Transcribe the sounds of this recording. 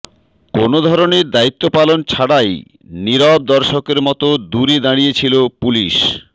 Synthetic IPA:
konod̪ʱɔɾoneɾd̪ait̪ːopalont͡ɕʰaɽaj | niɾɔb̚d̪ɔɾʃokeɾmɔt̪od̪uɾid̪aɽijet͡ɕʰilopuliʃ

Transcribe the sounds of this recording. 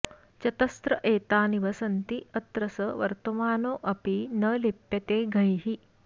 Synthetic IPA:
t͡ʃɐt̪ɐst̪ɾɐʔeːt̪aːniʋɐsɐnt̪iɐt̪ɾɐsɐʋɐ̰ɾt̪ɐmaːnoːʔɐpinɐlepjɐt̪eːɡʱɐjɦi

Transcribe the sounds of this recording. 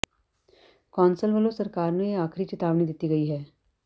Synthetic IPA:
kɔːnsəlʋəlosɐɾkaːɾneeaːkʰɾit͡ʃɪt̪aːʋnid̪ɪt̪iɡɐiɦɛː

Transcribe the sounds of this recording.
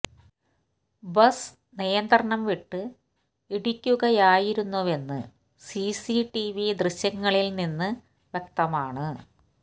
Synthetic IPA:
bɐs | nijɐnd̪rɐɳɐmʋiʈːɨ | iɽikʲːuɣɐjaːjiɾunːuʋe̞nːɨ | sisiʈiʋid̪rɨɕjɐŋːɐɭilninːɨ | ʋje̞k̚t̪ɐmaːɳɨ

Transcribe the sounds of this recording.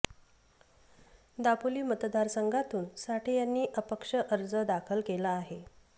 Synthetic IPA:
d̪apuliːmət̪d̪aɾsəŋɡʱat̪uːnsaʈiːjanːiːʔəpəkʂəʔəɾd͡zəd̪akʰəlkelaːɦe

